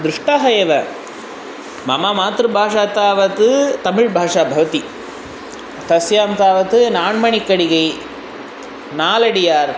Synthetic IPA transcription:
d̪ɾɪʂʈaːɦɐjɐʋɐ | mɐmaːmaːt̪ɾɯbʱaːʂaːt̪aːʋɐt̪ɯt̪ɐmɪɻbʱaːʂaːbʱɐʋɐt̪i | t̪ɐsjaːmt̪aːʋɐt̪ɯnaːɳmɐɳikːɐɽɪɣɐɪ | naːlɐɽɪjaːɾ

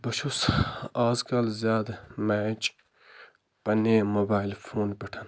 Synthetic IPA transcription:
bɐʃusaːzkalzjaːd̪maːt͡ʃ | pɐneːmoːbaːilfʰoːnpiʈʰɐn

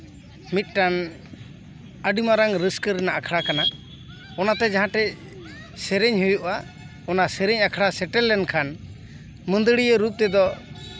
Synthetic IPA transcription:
mit̪̚ˀʈan | əɖimaɾaŋɾəskəɾɛnaʔakʰɽakana | ɔnat̪ɛd͡ʒaɦãʈɛ | sɛɾɛɲɦujuʔa | ɔnasɛɾɛɲakʰɽasɛʈɛlːɛnkʰan | mə̃nd̪əɽijəɾup̚t̪ɛd̪ɔ

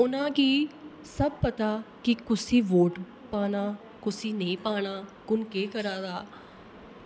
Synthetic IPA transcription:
ʊnãːkiː | səb̚pət̪aːkɪkʊsiːʋoːʈ | paːnaː | kʊsiːnəĩːpaːɽaːkʊnkeːkəɾãːd̪aː

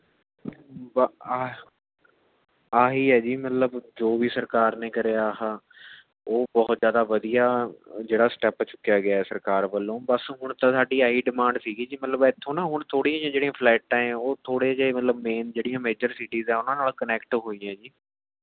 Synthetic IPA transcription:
b | aːɦiːɦɛːd͡ʒiːmət̪ləbd͡ʒoːʋiːsəɾkaːɾneːkəɾeːaːɦaː | oːbɔːt̪zjaːd̪aːʋəd̪ijaːd͡ʒeːɽaːsʈɛːpt͡ʃʊkːejaːɡɪaːɛːsəɾkaːɾʋəlːõːbəsɦʊɳ̃t̪ãːsaːɖiːaːiːɖɪmãːɳɖsiːɡiːd͡ʒiːmət̪ləbɛt̪ʰːõːnãːɦʊɳ̃t̪ʰoːɽiːãːjãːd͡ʒeːɽijãːpʰlɛːʈ̚ːãːoːt̪ʰoːɽed͡ʒeːmət̪ləbmeːnd͡ʒeːɽijãːmeːd͡ʒəɾsiːʈiːzɛːʊnãːnaːlkənɛːkʈɦoːiːãːd͡ʒiː

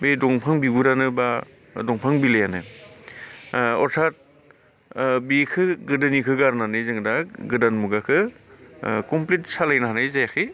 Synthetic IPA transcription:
bedɔŋpʰaŋbibuɾanɯba | dɔŋpʰaŋbilejanɯ̰ | ɔɾtʰat̚ | bikʰɯɡɯdɯnikʰɯɡaɾnanɯjzɯŋdaɡɯdanmuɡakʰɯ | kɔmplit̚salajnaɦanɯjzajakʰɯ

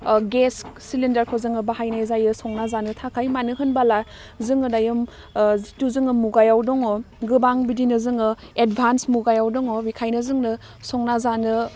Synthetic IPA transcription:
ɡessilindaɾkʰozɯŋɯbahajnajzajɯsɔŋnazanɯtʰakʰajmanɯɦɯnbala | zɯŋɯdajɯm | zituzɯŋɯmuɡajawdɔŋɔ | ɡɯbaŋbidinɯzɯŋɯ | edbʱansmuɡajawdɔŋɔbikʰajnɯzɯŋnɯ | sɔŋnazanɯ

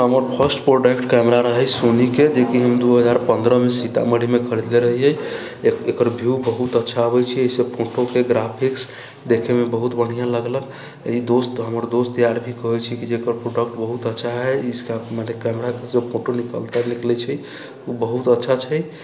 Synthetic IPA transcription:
ɦəməɾpʰəsʈpɾoɖəkʈkɛmɾaɾəɦɛsoniked͡ʒekiɦəmd̪uɦəd͡ʒaɾpənd̪ɾəmesit̪a̰məɽimekʰəɾd̪leɾəɦiɦɛ | ekəɾbʱubəɦut̪ətːʃʰaəbɛt͡ʃʰieisepʰoʈokeɡɾapʰiks | d̪ekʰemebəɦut̪bəɽ̤ijãləɡlək | id̪ost̪ɦəməɾd̪ost̪ijaɾbʱikəɦɛt͡ʃʰikid͡ʒekəɾpɾoɖək̚ʈbəɦut̪ətːʃʰaɦɛiskamanekɛmɾakesepʰoʈonikə̰lt̪aniklɛt͡ʃʰɛ | ubəɦut̪ətːʃʰat͡ʃʰɛj

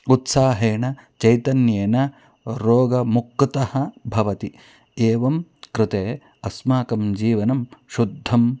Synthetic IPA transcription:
ut̪saːɦeːɳɐt͡ʃɐjt̪ɐnjeːnɐ | ɾoːɡɐmukːt̪ɐhɐbʱɐʋɐt̪i | eːʋɐmkɾɪt̪eː | ɐsmaːkɐmd͡ʒiːʋɐnɐmʃud̪ʱːɐm

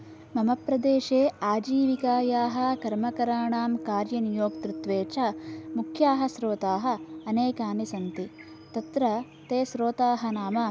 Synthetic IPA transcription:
mɐmɐpɾɐd̪eːʃeːaːd͡ʒiːʋikaːjaːɦɐ̆kɐɾmɐkɐɾaːɳaːmkaːɾjɐnijoːk̚t̪ɾut̪ʋeːt͡ʃɐmukʰjaːɦɐsɾoːt̪aːɦɐ̆ːneːkaːnisɐnt̪i | t̪ɐt̪ɾɐ | t̪eːsɾoːt̪aːɦɐ̆naːmɐ

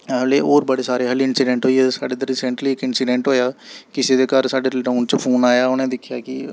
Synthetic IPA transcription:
ɦəleːoːɾbəɽeːsaːɾeːɦəlɪnsɪɖɛ̃ɳʈɦoːiɛːsaːɖeːd̪əɾiːsəɳʈliːɪkɪnsɪɖẽɳʈɦoːjaːkɪseːd̪eːkəɾsaːɖeːʈoːnt͡ʃəpʰoːnaːjaːʊnẽːd̪ɪkʰːjaːkɪ

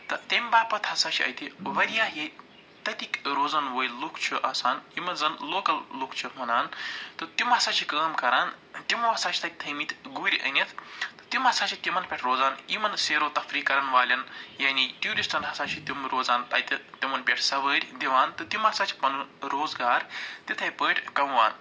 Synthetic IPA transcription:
t̪ɐt̪emʲbaːpɐt̪ʰhɐsaːt͡ʃʰiɐ̰jt̪iʋɐɾijaːɦi | t̪ɐt̪ikɾoːzɐnʋoːjllukʰt͡ʃʰiʔɐsaːnimɐnzɐnloːkɐlːukʰt͡ʃʰimunaːnt̪ɨt̪imɦɐsaːt͡ʃʰikəːmkɐɾaːnt̪imoɦɐsaːt͡ʃʰi̥t̪aːt̪̚ʲt̪ʰɐmiːt̪ɡuːɾʲʔə̰nɐt̪ʰt̪ɨ̥t̪imɦɐsaːt͡ʃʰit̪imɐnpʲɐʈʰɾoːzaːnimɐnseːɾoːt̪ɐfɾiːkɐɾɐnʋaːlʲɐnjaːniʈjuːɾisʈʰɐnɦɐsaːt͡ʃʰit̪imɾoːzaːnt̪ɐ̰jt̪t̪imɐnpʲɐʈʰsɐʋəːɾʲd̪iʋaːnt̪ɨt̪imɐsaːt͡ʃʰi̥pɐnuɾoːzɡaːɾt̪it̪ʰɐjpəːʈʰʲkɐmʋa̰ːn

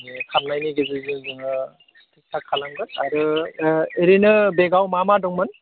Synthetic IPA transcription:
ekʰamnajniɡezɯzɯzɯŋɯ | tʰik̚tʰakʰːalaŋɡɯnaɾɯ | eɾinɯbeɡawmamadɔŋmɯn

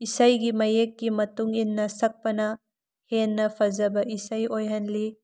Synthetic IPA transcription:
isajɡimɐjekːimɐtuŋinːɐsɐk̚pɐnɐ | henːɐpʰɐzɐbɐʔisajojɦɐnli

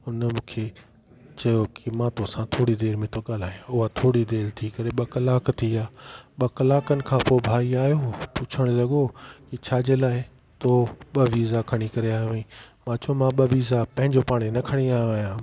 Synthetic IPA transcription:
ʊnmũːkʰe | t͡ɕɐjokɪmãːt̪osãt̪ʰoːɽid̪eːɾmẽt̪ʰoɠaːl̤aːɦjãʊɦat̪ʰoːɽid̪eːɾt̪ʰikɐɾeɓɐkɐlaːkt̪ʰiaːɓɐkɐlaːkənɪ̆kʰãːpoːbʱaːiaːɦijopʊt͡ɕʰəɽ̃ʊlɐɠokɪt͡ɕʰaːd͡ʑelaːɪ | t̪oɓɐʋiːzakʰɐɽ̃ikɐɾeaːjoĩmãːt͡ɕɐomãɓɐʋiːzapɐ̃ɦɪ̃ɲd͡ʑopaːɽ̃enɐkʰəɽ̃iaːoaːjãː

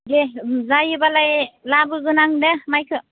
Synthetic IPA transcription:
ɡezajɯbalajlabɯɡɯnaŋdemajkʰɯ

